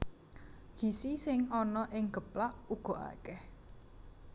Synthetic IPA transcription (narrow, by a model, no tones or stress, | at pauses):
hisisɪŋɔnɔʔɪŋɡ̥ə̤plaʔuɡ̥ɔ̤ʔa̰kɛh